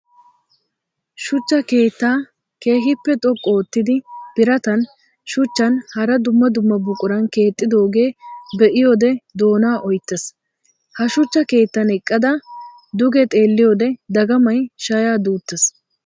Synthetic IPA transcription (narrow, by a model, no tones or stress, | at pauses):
ʃʊt͡ʃːɐke̞ːt̪ːaː | ke̞ːɦɪpːɛt̪ʼɔkʼːoːt̪ːɪd̪ɪb̥ɪɾɐt̪ɐn | ʃʊt͡ʃːɐnhɐɾɐd̪ʊmːɐd̪ʊmːɐbʊkʼʊɾɐnke̞ːt̪ʼːɪd̪o̞ːɡe̞ːbɛʔɪjoːd̪ɛd̪o̞ːnaːʔɔjt̪ːɛs | hɐʃʊt͡ʃːɐke̞ːt̪ːɐnɛkʼːɐd̪ɐ | d̪ʊɡɛt̪ʼe̞ːlːɪjoːd̪ɛd̪ɐɡɐmɐjʃɐjaːd̪uːt̪ːɛs